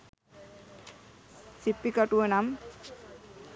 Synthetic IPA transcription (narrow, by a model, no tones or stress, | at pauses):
sipːikaʈuenam